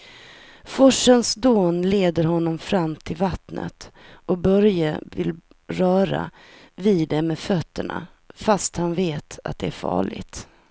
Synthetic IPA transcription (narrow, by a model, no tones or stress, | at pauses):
fɔʂənsd̪oːnleːd̪əɾɦɔnːɔmfɾamːt̪ʰɪlvat̪nʔə̰t̪ʔɔbœɾjavɪl | ɾœːɾa̰ | viːd̪d̪ɛmɛːfœt̪ːəɳa̰ | fast̪hanveːt̪a̰t̪̚d̪ɛæɾfɑ̰ːɭɪ̰ɡt̪